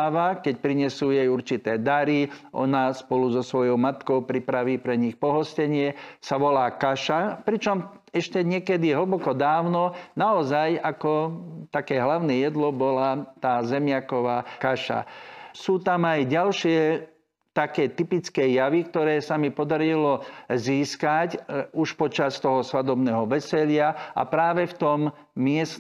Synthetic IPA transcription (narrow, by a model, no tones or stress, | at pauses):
ʋakɛc̚pɾiɲɛsuːjɛjuɾt͡ʃit̪ɛːd̪aɾiʔɔ̰naspɔluzɔsʋɔjɔʊmat̪kɔʊpɾipɾaʋiːpɾɛɲixpɔɦɔscɛɲɪɛsaʋɔlaːkaʃapɾit͡ʃɔm | ɛʃcɛɲɪɛkɛd̪iɦl̩bɔkɔd̪aːʊnɔnaɔzajakɔt̪akɛːɦlaʊnɛjɛd̪lɔbɔlat̪aːzɛmɪakɔʋaːkaʃa̰suːt̪amajɟalʃɪɛ | t̪akɛːt̪ipit͡skɛjaʋikt̪ɔɾɛːsamipɔd̪aɾilɔziːskacuʃpɔt͡ʃast̪ɔɦɔsʋad̪ɔbnɛːɦɔʋɛsɛʎɪaʔa̰pɾaːʋɛft̪ɔm | mɪɛs